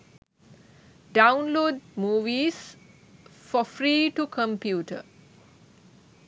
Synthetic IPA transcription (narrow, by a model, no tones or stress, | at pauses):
ɖaʊ̃nloːɖmuːʋis | fɔfɾiːʈukʰə̃mpjuːʈə̰